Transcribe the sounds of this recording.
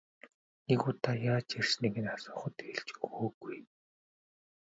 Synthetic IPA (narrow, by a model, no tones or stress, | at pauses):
neɣuːt̪ʰajaːt͡ɕersneɣɘ̆nasʊːχə̆t̪eɮt͡ɕxoːɡuj